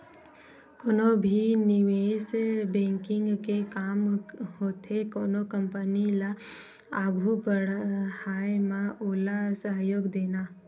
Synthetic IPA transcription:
koːnobʱinɪʋeːsbẽːŋkɪ̃ŋɡkekaːmhot̪ekoːnokəmpənila | aːɡʱubəɽhaːjmãʔoːlasəɦjoːɡd̪eːna

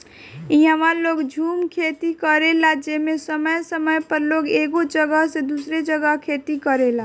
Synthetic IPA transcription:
iɦəʋaloːɡd͡ʒʱuːmkʰet̪ikəɾelad͡ʒemesəməjsəməjpəɾloːɡeːɡod͡ʒəɡəɦsed̪usɾed͡ʒəɡəɦkʰet̪ikəɾela

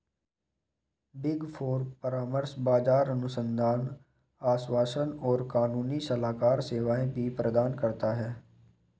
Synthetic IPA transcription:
bɪɡfʰoːɾpəɾaːməɾsbaːd͡ʒaːɾɐnʊsə̃nd̪ʱaːn | aːswaːsənɔːɾkaːnuːnisɐlaːkaːɾseːʋaːẽbʱipɾəd̪aːnkɐɾt̪aɦɛː

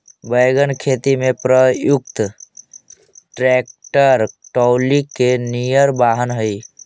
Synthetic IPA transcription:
bəjɡənkʰeːt̪imẽpɾəjʊk̚t̪ | ʈɾɛk̚ʈəɾʈɔːwlikenijəɾbaːɦənɦəi

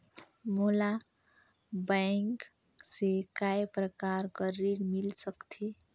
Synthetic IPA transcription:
mola | baŋk | sekajpɾəkaɾkʌɾiɽmilsʌkt̪ʰe

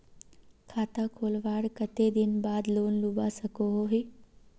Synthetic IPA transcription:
kʰaːt̪akʰoːlʋaːɽkət̪ed̪ɪnbaːd̪loːnlubasɐkoɦoɦeː

